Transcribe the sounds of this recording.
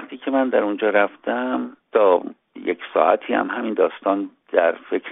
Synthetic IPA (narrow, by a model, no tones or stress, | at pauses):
χt̪ʰiːcʰe̞mænd̪æɾund͡ʒɒːɾæft̪æmt̪ʰɒː | jḛcsɒ̰ːʔæ̰t̪ʰiːæ̰mɦæmind̪ɒːst̪ɒːnd̪̥æɾfekʰɾ